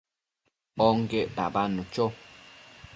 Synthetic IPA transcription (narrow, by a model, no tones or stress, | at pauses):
ɓɔŋ̩ɡɛʔba̰banut͡ʃɔ